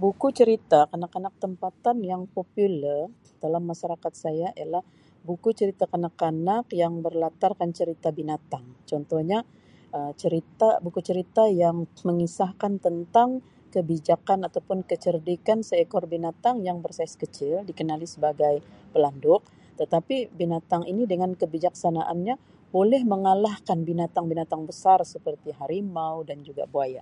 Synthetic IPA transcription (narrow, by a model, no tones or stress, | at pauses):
bukut͡ʃəɾit̪akanakanak̚t̪əmpat̪anjaŋpopulɛr | d̥alamːaʃaɾakat̪̚sajaʔijalah | bukut͡ʃəɾit̪akanakanakjaŋbərlat̪arkant͡ʃəɾit̪abinat̪aŋt͡ʃɔnt̪ɔhɲa | ʔət͡ʃəɾit̪abukut͡ʃəɾit̪ajaŋməŋisahkant̪ənt̪aŋ | kəbid͡ʒakanat̪awpʊnkət͡ʃərdikansəɛkɔrbinat̪aŋjaŋbərsaskət͡ʃɪldikənalisəbaɡajpəlandʊk̚ | t̪ət̪apibinat̪aŋinidəŋankəbid͡ʒaksanaʔanɲa | bolɛhməŋalahkanbinat̪aŋbinat̪aŋbəsarsəpərt̪iɦaɾimawdand͡ʒuɡa̰buaja